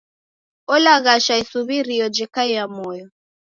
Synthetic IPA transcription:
ɔlaɣaʃaisuβiɾiɔd͡ʒɛkaijamɔjɔ

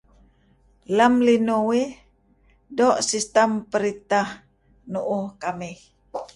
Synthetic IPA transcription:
lamlinuwi | dɔʔsist̪ampəɾit̪ah | nuʔuhkamih

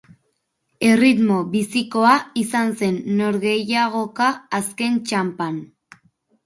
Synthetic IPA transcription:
e̞rit̪mo̞βisiko̞aisanse̞nːo̞ɾɣe̞jaɣ̞o̞kaːske̞nt͡ʃampan

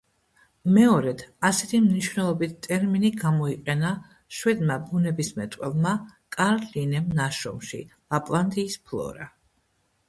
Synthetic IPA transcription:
mɛɔɾɛd̪ʰasɛt̪ʰimniʃwvnɛlˠɔbit̪ʰt̪ʼɛɾminiɡamɔiqʼɛna | ʃwɛd̪mabunɛbismɛt̪ʼqʼwɛlˠmakʼaɾlinɛmnaʃɔ̰mʃḭ | apʼlˠant̪ʼiːspʰlˠɔ̰ɾa

